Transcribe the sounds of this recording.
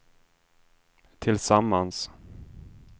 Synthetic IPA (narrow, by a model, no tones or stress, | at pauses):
t̪ʰɪlsamːans